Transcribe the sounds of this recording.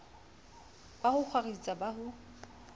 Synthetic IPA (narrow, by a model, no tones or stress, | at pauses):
b̥ahʊk͡xʰwarit͡sʼabaɦʊ